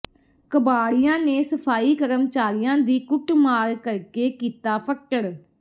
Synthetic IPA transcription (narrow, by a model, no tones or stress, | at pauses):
kəbaːɽɪjãːneːsəpʰaːiːkəɾəmt͡ʃaːɾɪjãːd̪iːkʊʈmaːɾkəɾkeːkiːt̪aːpʰəkʈəɽ